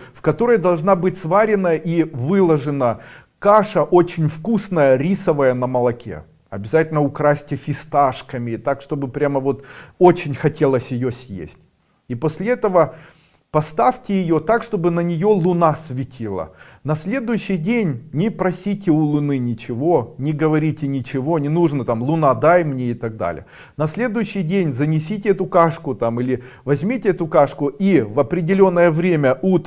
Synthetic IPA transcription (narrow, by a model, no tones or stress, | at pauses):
fkɐt̪o̞ɾəjd̪ɐlˠʐnabɨtʲsvaɾʲɪnəʔivɨlˠəʐɨnə | kaʂəʔo̞t͡ɕɪnʲfkusnəjəɾʲisəvəjənəməlˠɐkʲʰḛ | ɐ̰bʲɪzatʲɪlʲnəʊkɾasʲtʲɪfʲɪst̪aʂkəmʲɪt̪akʂt̪o̞bɨpɾʲaməvo̞t̪ot͡ɕɪnʲxɐtʲe̞lˠəsʲjɪjosʲjḛsʲtʲ | iposʲlʲɪɛt̪əvə | pɐst̪aftʲɪjɪjo̞t̪akʂt̪o̞bɨnənʲɪjo̞lˠʊnasʲvʲɪtʲʰilˠə̰nɐsʲlʲe̞d̪ʊjʉɕːɪjdʲenʲnʲɪpɾɐsʲitʲɪʊlˠʊnɨnʲɪt͡ɕɪvo̞nʲɪɡəvɐɾʲitʲɪnʲɪt͡ɕɪvo̞nʲɪnuʐnət̪amlˠʊnad̪ajmnʲeɪt̪ɐɡ̚d̪a̰lʲɪ̰jə | nɐsʲlʲe̞d̪ʊjʉɕːɪjdʲenʲzənʲɪs̬ʲitʲɪɛt̪ʊkaʂkʊt̪amilʲɪ | vɐzʲmʲitʲɪɛt̪ʊkaʂkʊʔivɐpɾʲɪdʲɪlʲo̞nːəjəvɾʲemʲəʔut̪